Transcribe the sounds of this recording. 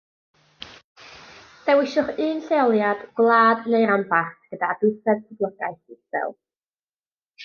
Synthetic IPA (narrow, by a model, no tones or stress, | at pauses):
d̥ɛwɪʃʊχɨːnɬejɔlˠjadɡ̥wlˠaːdnejɾambarθɡ̥ədaːdʊsɛd̚tʰəblˠəɡa̰ɨθɪbɛ̰lˠ